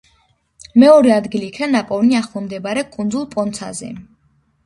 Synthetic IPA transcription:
mɛɔɾɛad̪ɡiliːkʰnanapʼɔvniaχlˠɔmd̪ɛbaɾɛkʼund̪zulˠpʼɔnt̪sʰa̰zɛ̰

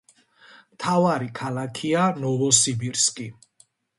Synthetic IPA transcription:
mt̪ʰavaɾikʰalakʰianɔvɔsibiɾskʼi

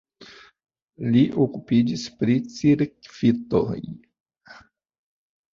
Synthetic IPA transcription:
liʔokupid͡ʒispɾit͡siɾkfit̪o̰j

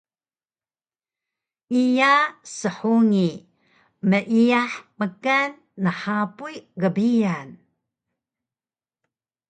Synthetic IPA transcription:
ʔijasəħuŋi | məʔijaħməkanː | əħapujɣəbijan

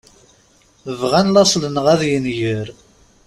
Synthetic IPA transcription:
əvʁænlɑsˤlənəʁæðjənjəɾ

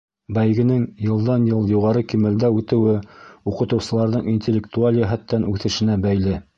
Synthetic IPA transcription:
bæjɡɘ̆nɘŋjɤ̆lˠd̪ɑnjɤlˠjuʁɑɾɤkimɘ̆ld̪æʉt̪ɘ̆wɘuqɤ̆t̪ɤ̆wsɤ̆lˠɑɾðɤɴinʲtʲɪlʲːɪkt̪ualʲjæɦæt̪ːænʉθɘ̆ʃɘ̆næbæjlɘ

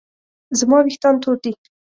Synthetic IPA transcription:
zəmɑwixt̪ɑnt̪ʰot̪i

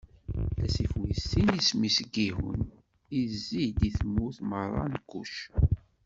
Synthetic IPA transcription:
æsifwisːinismisəɡːiɦʊ̰n | izːid̪iθmːuθməɾˤɑ̰nkːuʃ

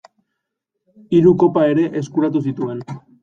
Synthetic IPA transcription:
iɾuko̞pae̞ɾe̞ʔeskuɾat̪̬usit̪ue̞n

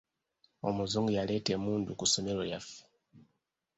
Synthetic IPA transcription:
o̰muzuːŋɡujale̞ːtemuːndukuso̞melojafi̥

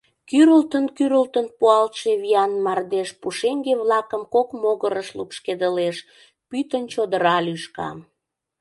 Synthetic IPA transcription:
kyɾəlt̪ənkyɾəlt̪ənpuɑlt̪ʃeβiɑnmɑrd̪eʃpuʃeŋɡeβlɑkəmkokmoɣəɾəʃlupʃked̪əleʃ | pyt̪ənt͡ɕod̪əɾɑlyʃkɑ̰m

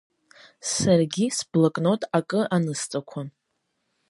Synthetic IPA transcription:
sarɡʲisblakʼnotʼakʼɨʔanɨst͡sʼakʷʰa

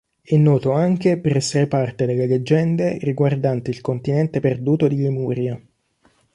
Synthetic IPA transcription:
ɛnːɔːt̪oaŋk̟epeɾɛsːeɾepart̪ed̪elːeled͡ʒːɛnd̪eriɡward̪ant̪eilkont̪inɛnt̪eperd̪uːt̪od̪ilemuːɾja

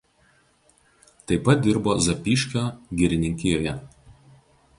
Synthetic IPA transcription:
t̪ɐɪpɐt̪̚d̪ʲɪɾboːzɐpʲiːʃʲkʲoːɡʲɪɾʲɪnʲɪŋʲkʲɪjoːjɛ

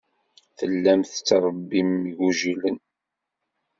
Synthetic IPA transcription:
θəlːæmθt͡sːɾˤɑbːimiʝuʒilən

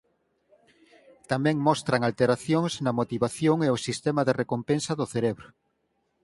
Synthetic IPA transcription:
t̪amɛ̃ŋmɔst̪ɾaŋalt̪eɾaθjoŋznɐmot̪iβaθjoŋeʊsist̪emaðerekompɛnsɐðʊθeɾeβɾʊ

